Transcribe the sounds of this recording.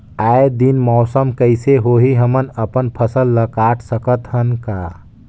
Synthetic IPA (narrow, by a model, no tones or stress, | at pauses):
aed̪inmɔːsəmkəɪseɦoɦiɦəmənəpənpʰəsəlːəkaʈʰsəkət̪ɦənka